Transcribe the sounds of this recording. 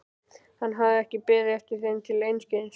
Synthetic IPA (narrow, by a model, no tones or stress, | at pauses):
hanːɦavðɪɛhcɪpɪːɾɪɛftcɪ̥θent̪ʰɪlejnscɪðɪns